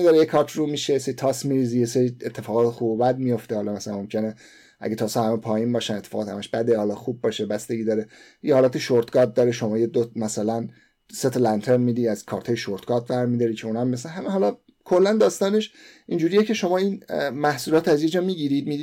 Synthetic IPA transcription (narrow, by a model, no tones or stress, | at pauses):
id̪ɒːɾejekʰɒɾt͡ʃʰrumiʃejeseɾit̪ʰɒsmiɾiːzijeseɾiet̪ʰːefɒːɣɒːt̪ʰexuːbobæd̪̚mijo̞ft̪ehɒlɒmæsælænmo̞mcʰe̞ne | ʔæ̰ɡet̪ʰɒːsɑhæmepʰɒːjiːnbɒːʃænet̪ʰːe̥fɒ̰ɣːt̪hæ̰mæʃbæd̪ehɒːlɒxub̚ːɒːʃebæst̪e̞ɡiːd̪ɒːɾe | jehɒːlæːt̪eʃoɾt̪ɡɒt̪̚d̪ɒːɾeʃo̞mɒːjed̪omæsælæn | set̪ʰɑlænt̪ʰeɾnmiːd̪iæz̥kʰɒːɾt̪ʰɒːjeʃoɾt̪ɡ̥ɒɾt̪væɾmid̪ɒːɾikʰeunæmiesænɦæmeɦɒlɒ | kʰo̞lːænd̪ɒːst̪ɒːne̞ʃ | ind͡ʒuːɾijecʰe̞ʃo̞mɒːinmæhsulɒːt̪æzje̞d͡ʒɒːmiːɟiɾid̪mid̪i